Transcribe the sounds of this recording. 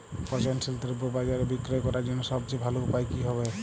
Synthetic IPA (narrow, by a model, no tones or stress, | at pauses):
pɔt͡ʃansilt̪iɾbobad͡ʒaɾebikɾɔjkɔɾad͡ʒɛnɔsɔbt͡ʃebʱaloupajkiɦɔβe